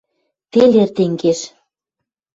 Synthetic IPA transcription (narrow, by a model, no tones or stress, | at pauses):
t̪elert̪eŋɡeʃ